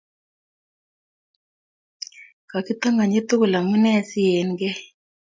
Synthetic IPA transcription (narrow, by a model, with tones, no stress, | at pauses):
ka˨kɪ˦t̪a˦ŋɡa˨ɲe˦t̪ʊ˦ɡʊ˨la˨ŋu˦nɛ˦˨sɪ˦e˨nɡɛ˦